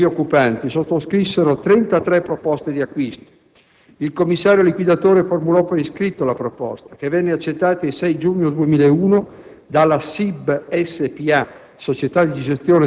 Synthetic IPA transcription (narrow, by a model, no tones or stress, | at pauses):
iokːupant̪isot̪ːoskɾisːeɾot̪ɾɛnt̪at̪ɾɛpːɾopɔst̪ed̪iakːwist̪o̥ | ilkomːisːaːɾjolikwid̪at̪oːɾeformulɔpːeiskɾit̪ːolapɾopɔ̰st̪ak̟evːɛnːeat͡ʃːet̪ːaːt̪oisɛjd͡ʒuːɲːod̪uemiːlaeuːno | d̪alːasibɛsːepia | sot͡ʃet̪ad̪id̪id͡ʒest̪joːne